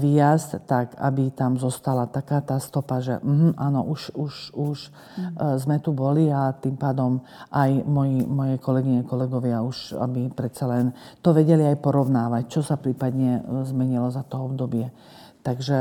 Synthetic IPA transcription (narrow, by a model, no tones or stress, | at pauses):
ʋijastt̪aɡa̰bit̪amzɔst̪alat̪akaːt̪aːst̪ɔpaʒɛ̰m̩ɦm̩ʔaːnɔ̰ʔuʃuʃuʃ | zmɛt̪ubɔliat̪impaːd̪ɔm | ʔajmɔjimɔjɛkʰɔlɛɡiɲɛkɔlɛɡɔʋɪauʃa̰bipɾɛt̪salɛnt̪ɔʋɛɟɛliajpɔɾɔʊnaːʋact͡ʃɔsapɾiːpad̪ɲɛzmɛɲilɔzat̪ɔɔbd̪ɔbɪɛ | t̪aɡʒɛ